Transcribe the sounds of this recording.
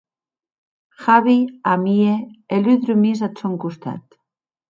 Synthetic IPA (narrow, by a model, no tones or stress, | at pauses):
xaβiamieelyðɾumisat͡soŋkust̪a̰t̪